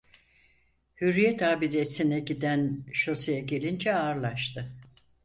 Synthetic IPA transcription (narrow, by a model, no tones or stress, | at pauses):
hyɾːijɛt̪ʰaːbid̪esinɛɟid̪ænʃosijaɟe̞lʲind͡ʒɛaːɾlˠaʃt̪ʰɯ